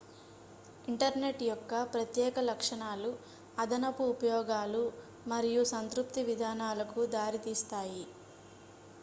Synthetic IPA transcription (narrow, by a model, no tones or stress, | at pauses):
iɳʈɐɾne̞ʈːjɔkːɐpɾɐt̪jɛːkɐlɐkʂɐɳaːlu | ɐd̪ʱɐnɐpuːpɐjɔːɡaːlu | mɐɾijusɐnt̪ɾup̚t̪iʋid̪ʱaːnaːlɐkud̪aːɾit̪iːst̪aːji